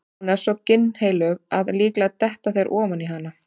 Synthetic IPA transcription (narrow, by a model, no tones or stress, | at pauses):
nḁsɔcɪnːhejlœɣaðliːklat̪ɛht̪aθejɾʔɔːvaniɦanːa